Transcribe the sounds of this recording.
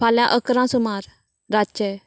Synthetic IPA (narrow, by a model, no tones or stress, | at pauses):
pʰaːljãʔəkɾãːsʊmaːɾ | ɾat͡ʃɛː